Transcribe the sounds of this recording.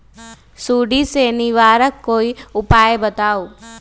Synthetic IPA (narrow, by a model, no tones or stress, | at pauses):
suɖiseniʋaːɾəkːoiʊpajbət̪au